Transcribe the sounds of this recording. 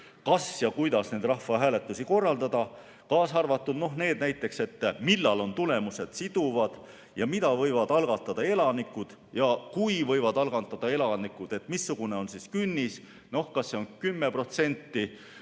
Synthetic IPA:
kɑsjɑkujd̪ɑsne̞jd̪rɑhvɑɦæːle̞t̪ːˑusiko̞rːɑld̪ɑd̪̥ɑ | kɑːsɑrvɑt̪ˑːud̪̥no̞ɦne̞ːd̪̥næjt̪ːˑe̞kse̞t̪ːmilːɑlo̞nt̪ule̞muse̞d̪̥sid̪̥uvɑd̪̥ | jɑmid̪̥ɑvɤ̞jvɑd̪̥ɑlɡ̥ɑt̪ːˑɑd̪̥ɑe̞lɑnikːˑud̪̥ | jɑkujvɤ̞jvɑd̪ɑlɡ̥ɑnt̪ːˑɑd̪̥ɑe̞lɑnikːud̪̥e̞t̪ˑmisːuɡ̥une̞o̞nsiskynʲːis | no̞hkɑsːeo̞nkymːe̞pro̞t̪se̞nʲt̪ːi

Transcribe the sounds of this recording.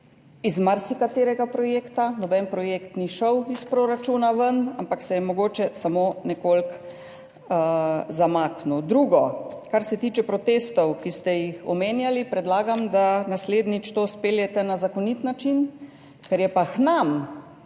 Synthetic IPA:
izmaɾsikat̪eːɾɛɡapɾɔjeːkt̪anɔbɛnpɾɔjeːkt̪niʃəwispɾoɾat͡ʃuːnaʋənampaksɛjɛmɔɡoːt͡ʃɛsamonɛkolk | zamaːknud̪ɾuːɡɔkaɾsɛt̪iːt͡ʃɛpɾɔt̪eːst̪ɔwkist̪ɛjixɔmeːnjalipɾɛd̪laːɡamd̪anasleːd̪nit͡ʃt̪ospeːljɛt̪ɛnazakɔnit̪nat͡ʃin | kɛɾjɛpaxnam

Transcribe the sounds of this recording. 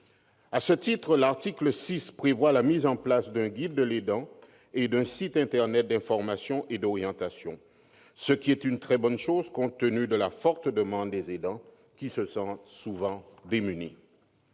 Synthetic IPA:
asət̪it̪χəlaʁt̪ikləsispχevwalamizɑ̃plasd̪ɛ̃ɡʲid̪ːəled̪ɑ̃ | ed̪ɛ̃sit̪ɛ̃t̪ɛʁnɛt̪̚d̪ɛ̃fɔʁmasjɔ̃ʔed̪ɔʁjɑ̃t̪asjɔ̃ | səkʲiɛt̪ynt̪χɛbɔnʃozkɔ̃t̪ːənyd̪əlafɔʁt̪d̪əmɑ̃d̪ːezed̪ɑ̃ | kʲisəsɑ̃t̪suvɑ̃d̪emynḭ

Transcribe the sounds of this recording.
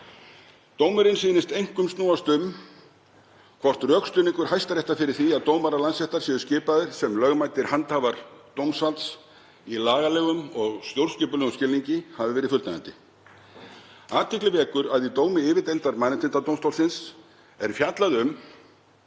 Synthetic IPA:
t̪oːwmʏɾɪnsiːnɪst̪ejŋ̥kʏmst̪nuːast̪ʏm | kʰvɔr̥t̪rœːkst̪ʏːniŋkʏɾ̥hajst̪aɾjɛht̪afɪɾɪ̥θiaðt̪owmaɾalansɛht̪aɾ̥sɛːðʏscɪːpaðɪɾ̥sɛmlœɣmajt̪ɪɾ̥hant̪havaɾt̪owmsvalt̪s | ilaːɣalɛːɣʏmɔɣst̪jowɾ̥scɪːpʏlɛɣʏscɪlniɲcɪhavɪvɛːɾɪfʏlt̪naant̪ɪ | aːt̪ɪklɪvɛːkʏɾaðit̪oːwmɪɪːvɪt̪ejnt̪aɾmaːnɪnt̪ʰɪnt̪at̪owmst̪owlsɪns | ɛɾ̥fjat̪laðʏm

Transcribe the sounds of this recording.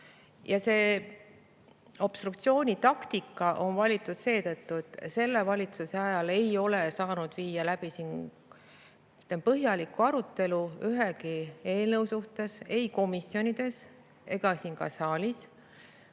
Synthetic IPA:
jɑse̞ː | o̞b̥st̪ruk̚t̪sio̞ːnʲit̪ɑkt̪ikˑːɑʔo̞nvɑlʲit̪ːˑud̪̥se̞ːt̪ɤt̪ːuet̪ːˑse̞lːe̞vɑlʲit̪suseɑjɑle̞jo̞le̞sɑːnud̪̥viːjɑlæb̥isin | t̪empɤɦjɑlikːˑuɑɾut̪ːˑe̞luyɦe̞kie̞ːlne̞wsuht̪e̞se̞jko̞misːjo̞nid̪̥e̞s | e̞ɡ̥ɑsinkɑ̰sɑːlʲis

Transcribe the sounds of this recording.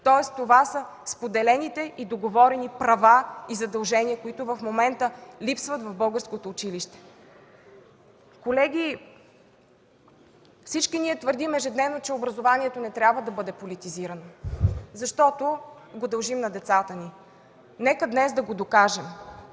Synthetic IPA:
t̪ɔɛst̪ovasə | spod̪ɛlɛnit̪ɛʔid̪oɡovɔɾɛnipɾɐvaizɐd̪ɐlˠʒɛniəkoit̪ʊvɐfmomɛnt̪əlipsvət̪vɐvbɤlˠɡəɾskot̪oːt͡ʃiliʃt̪ɛ̥ | kolɛɡʲi | fsit͡ʃkiniɛt̪vəɾd̪imɛʒɛd̪nɛvnot͡ʃɛobɾɐzovaniɛt̪onɛt̪ɾʲabvəd̪ɐbɤd̪ɛpolit̪iziɾɐnozɐʃt̪ɔt̪o | ɡod̪ɐlˠʒimnɐd̪ɛt̪sat̪əni | nɛkəd̪nɛsd̪ɐɡod̪okaʒɛm

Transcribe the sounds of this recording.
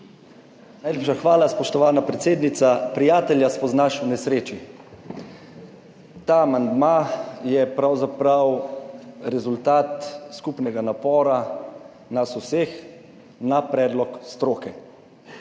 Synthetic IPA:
najlepʃaxʋaːlaspɔʃt̪ɔʋaːnapɾɛt̪seːd̪nit̪sapɾijaːt̪ɛljaspɔznaʃwnɛsɾeːt͡ʃi | t̪aːmand̪majɛpɾawzapɾaw | ɾɛzult̪aːt̪skupnɛɡanapɔːɾa | nasuseːx | napɾɛːd̪lɔkst̪ɾoːkɛ

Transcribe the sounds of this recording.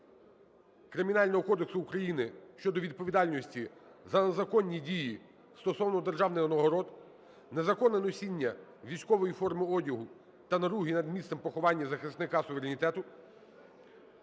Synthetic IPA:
kɾɪmʲinɑlʲnɔɦɔkɔd̪eksʊːkɾɐjinɪʃt͡ʃɔd̪ɔʋʲid̪̚pɔʋʲid̪ɑlʲnɔsʲtʲizɐnezɐkɔnʲːidʲiji | st̪ɔsɔwnɔd̪erʒɑwnɪjɔnɔɦɔɾɔd̪ | nezɐkɔnɛnɔsʲinʲːɐʋʲijsʲkɔʋɔjifɔrmɪɔdʲɐɦʊ | t̪ɐnɐɾuɦinɐd̪mʲist̪ɛmpɔxɔʋɑnʲːɐzɐxɪst̪nɪkɑsʊʋeɾenʲit̪ɛt̪ʊ

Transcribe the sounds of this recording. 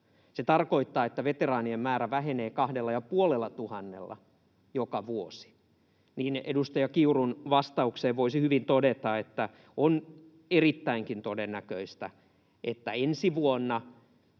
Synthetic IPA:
set̪ɑrkoit̪ːɑːet̪ːæʋet̪erɑːniemmæːɾæʋæɦeneːkɑhdelːɑjɑpuolelːɑt̪uhɑnːḛlːɑ̰ | jokɑʋuosi̥ | niːnedust̪ɑjɑkiurunʋɑst̪ɑukseːʋʋoisihyʋint̪odet̪ɑet̪ːæ | on | erit̪ːæiŋkint̪odenːækøist̪æ̰ | ʔet̪ːæ̰ensiʋuonːɑ

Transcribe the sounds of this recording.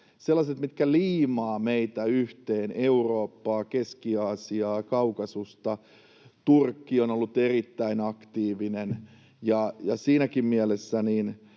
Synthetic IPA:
selːɑset̪mit̪kæliːmɑːmeit̪æyht̪eːneuroːpːɑːkeskiɑːsiɑːkɑukɑsust̪ɑ | t̪urkːionolːut̪erit̪ːæinɑkt̪iːʋinen | jɑjɑsiːnækimmiælesːæniːn

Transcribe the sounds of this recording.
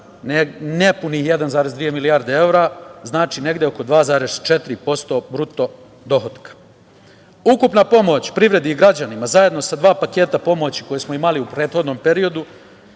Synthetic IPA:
nnepunije̞d̪anzaːɾe̞zd̪ʋije̞milijaːɾd̪ee̞wɾaznaːt͡ʃine̞ɡd̪eoko̞d̪ʋaːzaːɾe̞z̥t͡ʃe̞t̪ɾipo̞st̪o̞ːbɾut̪o̞ | d̪o̞xot̪kḁ | ukupnapo̞mo̞t͡ɕpɾiʋɾe̞d̪iiɡɾad͡ʑanimazaje̞d̪no̞sad̪ʋaːpake̞ːt̪apo̞mo̞t͡ɕi̥ko̞jesmoimaliupɾeːt̪xo̞d̪no̞ːmpe̞ɾio̞d̪u

